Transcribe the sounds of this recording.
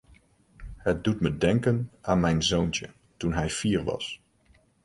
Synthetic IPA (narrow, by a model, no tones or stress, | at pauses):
ɦət̚dutmədɛŋkənaːnmɛjnzowntə̰ | tunɦɛjfiːɹʋɑ̰s